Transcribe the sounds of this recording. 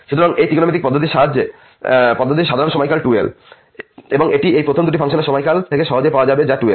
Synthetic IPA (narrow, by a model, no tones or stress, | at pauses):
ʃut̪ʰoɾaŋejt̪ikonomit̪ik̚pɔd̪ʱːot̪iʃaɦad͡ʑe | pɔd̪ʱːot̪iʃad̪ʱaɾonʃɔmɔjkalʈuḛl | eboŋeʈiejpɾot̪ʰomd̪uʈifʰaŋʃoneɾʃɔmɔjkalt̪ʰekeʃɔɦod͡ʑejpaoad͡ʑabed͡ʑaʈuel